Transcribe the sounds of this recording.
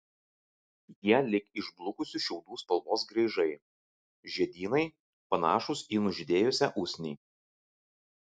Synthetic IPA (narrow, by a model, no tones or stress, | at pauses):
jiɛlʲɪkɪʒblˠʊkʊsʲʊʃʲɛʊd̪uːspɐlˠmoːsɡɾʲɐɪʒɐɪ | ʒʲiɛd̪ʲiːnɐɪ | pɐnɑ̰ːʃʊsiːnʊʒʲɪd̪ʲeːjʊsʲæʔʊsʲnʲiː